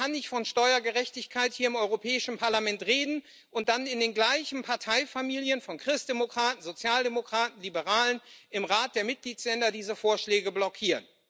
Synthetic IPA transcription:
anːɪçtfɔnʃtɔʏɐɡəʁɛçtɪçkʰaɪthiːɐɪmʔɔʏʁopʰɛːɪʃn̩pʰaɐlamɛntʁeːdn̩ | ʊnt̚d̥anɪndeːnɡlaɪçn̩pʰaɐtʰaɪfamiːljənfɔnkʁ̥ɪstd̥emokʁ̥aːtn̩zot͡sjaːldemokʁ̥aːtn̩libəʁaːlənʔɪmʁaːt̚d̥eːɐmɪt̚ɡ̥liːtslɛndɐdiːzəfoːɐʃlɛːɡəblɔkʰiːʁən

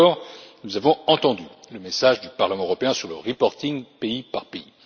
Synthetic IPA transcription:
ɔːʁnuzavɔ̃ɑ̃t̪ɑ̃d̪yləmesaʒd̪ypaʁləmɑ̃øʁɔpeɛ̃syʁləʁipɔʁt̪iŋpeipaʁpei

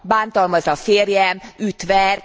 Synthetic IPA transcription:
baːnt̪ɒlmɒzɒfeːrjɛmyːt̪ʋɛr

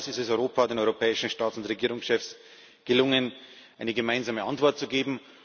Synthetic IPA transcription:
sɪstɛsɔʏʁoːpʰadeːnɔʏʁopʰɛːɪʃn̩ʃtaːtsʊntʁeɡiːʁ̞ʊŋsʃɛfs | ɡ̥əlʊŋən | ʔaɪnəɡəmaɪnzaːməʔa̰ntv̥ɔɐt̚t͡suɡeːbm̩

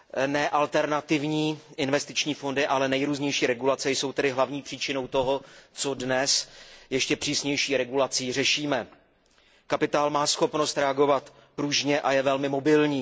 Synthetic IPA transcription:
nɛʔalt̪ɛɾnat̪ɪvɲiːʔɪnvɛst̪ɪt͡ʃɲiːfo̞ndɪʔalɛnɛjɾuːzɲɛjʃiːɾɛɡulat͡sɛjso̞wt̪ɛdɪɦlavɲiːpr̝̥iːt͡ʃɪno̞wt̪o̞ɦo̞t͡so̞dnɛsjɛʃcɛpr̥iːsɲɛjʃiːɾɛɡulat͡siːrɛʃiːmɛ | kapɪt̪aːlmaːsxo̞pno̞st̪ɾɛaɡo̞vat̪ | pɾuʒɲɛʔajɛvɛlmɪmo̞bɪlɲiː

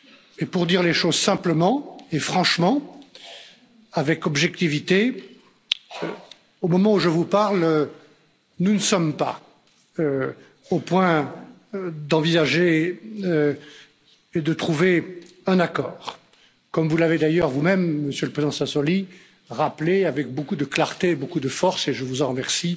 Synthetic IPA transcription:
epuʁd̪iʁleʃozsɛ̃pləmɑ̃efχɑ̃ʃmɑ̃ | avɛkɔbʒɛk̚t̪ivit̪e | omɔmɑ̃uʒəvupaʁlø | nunəsɔmpa̰ | ø | opwɛ̃ | d̪ɑ̃vizaʒeø | ed̪ət̪χuve | ɛ̃nakɔːʁ | kɔmvulaved̪ajœʁvumɛmːəsjøləpχezid̪ɑ̃sɛ̃sɔli | ʁapleavɛk̚bokud̪əklaʁt̪eːbokud̪əfɔʁseʒəvuzɑ̃ʁəmɛʁsi

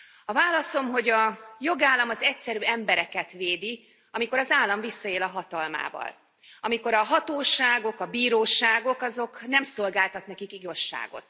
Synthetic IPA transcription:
ɒvaːlɒso̞mɦo̞ɟɒjo̞ɡaːlːɒmɒzɛcsɛɾyːɛmbɛɾɛkɛt̪veːd̪i | ɒmiko̞ɾɒzaːlːɒɱvisːɒeːlɒɦɒt̪ɒlma̰ːvɒ̰l | ɒmiko̞ɾɒɦɒt̪oːʃaːɡo̞kɒbiːɾoːʃaːɡo̞kɒzo̞knɛmso̞lɡaːlt̪ɒt̪nɛkikiɡo̞ʃːa̰ːɡo̞̰t̪

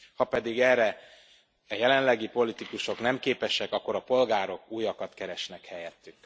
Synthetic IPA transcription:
hɒpɛd̪iɡɛːrːɛ | ɛjɛlɛnlɛɡipo̞lit̪ikuʃo̞knɛmkeːpɛʃɛkɒkːo̞ɾɒpo̞lɡaːɾo̞kuːjːɒkɒt̪kɛɾɛʃnɛkhɛjɛt̪ːyk

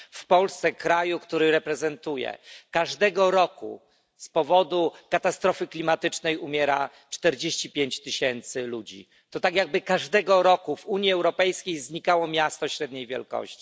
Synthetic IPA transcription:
fpɔlst̪sɛkɾajukt̪uɾɘɾɛpɾɛzɛnt̪ujɛ̰kaʐd̪ɛɡɔɾɔkṵ | spɔvɔd̪ukat̪ast̪ɾɔfɘklʲimat̪ɘt͡ʂnɛjumʲjɛɾa̰ | t͡ʂt̪ɛɾd͡ʑeɕt͡ɕipʲjeɲt͡ɕt̪ɘɕɛnt̪sɘlud͡ʑḭ | t̪ɔt̪aɡʲjaɡ̚bɘkaʐd̪ɛɡɔɾɔkuvuɲjiɛwɾɔpɛjskʲejzɲikawɔmʲjast̪ɔɕɾɛd̪ɲejvʲjɛ̰lkɔ̰ɕt͡ɕi̥

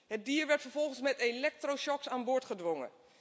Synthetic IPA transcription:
hət̚diːəɹʋɛɹtfəɹvɔlˠχənsmɛtelɛk̚troʃɔksaːnboɹtχədʋoŋə̰

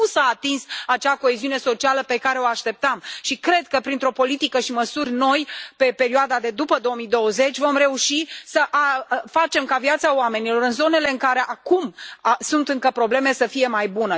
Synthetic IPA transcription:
usaːt̪insat͡ʃako̞eziuneso̞t͡ʃialəpe̞kaɾe̞oaʃt̪e̞p̚t̪amʃikɾe̞d̪̚kəpɾint̪ɾo̞po̞lit̪ikəʃiməsurʲno̞jpe̞pe̞ɾioad̪ad̪e̞d̪upəd̪o̞omid̪o̞wəze̞t͡ʃʲvo̞mɾe̞uʃisəʔafat͡ʃe̞mkaviat̪saowame̞nilo̞ɾɨnzo̞ne̞le̞ɨŋkaɾe̞ʔakumsunt̪ɨŋkəpɾo̞ble̞me̞səfije̞majbunə

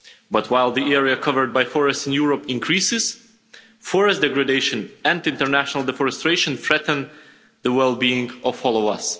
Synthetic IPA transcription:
bʌt̚ʰwaɪlˠðiɛɹiɨkʰʌvə˞d̚bajfɔɹɨstsɨ̃njuɹəpɪ̃nkʰɹisɪz̥ | fɔɹɨstd̥ɛɡɹɨdeɪʃɨ̃nɨ̃ndɪ̃ntəɹnæʃənəl̩ˠdɛfɔɹɨstɹeʃə̃nθɹɛtn̩ | ðəwɛlˠbiɪ̃ŋɔv̥hɔlˠoʊʌs

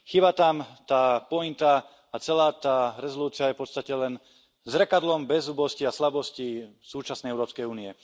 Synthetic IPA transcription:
xibat̪amt̪aːpɔint̪a | at͡sɛlaːt̪aːɾɛzɔluːt͡sɪajɛfpɔt̪st̪acɛlɛn | zɾɛkad̪lɔmbɛzubɔsciaslabɔsci | suːt͡ʃasnɛjɛʊɾɔːpskɛjuːniɛ

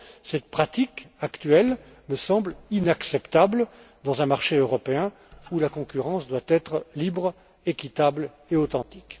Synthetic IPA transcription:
sɛt̪̚pχat̪ikakt̪ɥɛl | məsɑ̃blinaksɛpt̪abl | d̪ɑ̃zɛ̃maʁʃeøʁɔpeɛ̃ | ulakɔ̃kʲyʁɑ̃sd̪wat̪ɛt̪χlibʁ | ekʲit̪abl | eot̪ɑ̃t̪i̥k

